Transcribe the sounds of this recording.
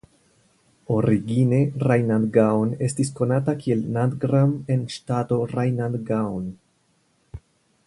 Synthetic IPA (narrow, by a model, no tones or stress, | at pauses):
o̞ɾiɡine̞ɾajnandɡawne̞stis̬ko̞natakie̞lnadɡɾame̞nʃtato̞ɾajnandɡawn